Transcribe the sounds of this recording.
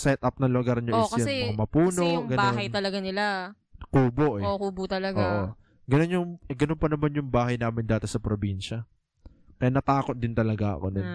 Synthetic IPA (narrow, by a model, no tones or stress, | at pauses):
sɛt̪̚ʔɐp̚nɐloɡɐɾɲoskɐɛmɐaɐmɐpuːnoŋɡɐbaoːnɐjt̪ɐlɐɡanɪla | kuːboʔɛokuːbot̪ɐlɐɡoa̰ːʔo | ɡɐno̞njʊŋɛɡɐnonpɐnɐmanjʊŋbaːɦɐjnaːmɪnd̪aːt̪esɐpɾobinʃɐ | kɐjanɐt̪aːkot̪̚d̪ɪnt̪ɐlɐɡaʔɐ̰konɪ